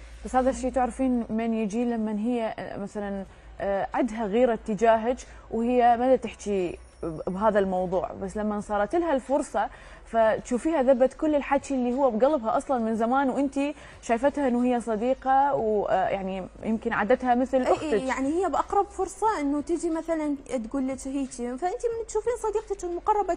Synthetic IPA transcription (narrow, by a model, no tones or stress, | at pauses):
b̥ashaːðaʃːiːt̪aʕɾfiːnmeːnjɪd͡ʒilamːanɦɪjːa̰maθalan | ʕɪd̪ɦaɣiːɾat̪ːɪd͡ʒaːɦɪd͡ʒ | whɪjːamad̪at̪ɪħt͡ʃi | bɦaːðalmɑwðˤṵːʕbasːlamːansˤɑːɾˤɑt̪ɪlhalfʊɾˤsˤɑ | fat̪ʃuːfiːhaðabːat̪kʊlːɪlħat͡ʃːlːihʊwːabɡalɪbhaʔɑsˤlɑnmɪnzamaːnwʔɪnt̪i | ʃaːjfat̪haʔɪnːʊhɪjːasˤɑd̪iːqɑwja̰ʕnijɪmkɪnʕa̰ːd̪at̪hamɪθlʔʔʊxjjaʕnihɪjːabʔɑqɾˤɑbfʊɾˤsˤɑʔɪnːʊt̪ɪd͡ʒimaθalant̪ɡuːlːɪt͡ʃ̪hiːt͡ʃ̪ifaʔɪnt̪imɪnt̪ʃuːfiːnsˤɑd̪iːq̚t̪ɪt̪ɪlmʊqɑrˤːɑba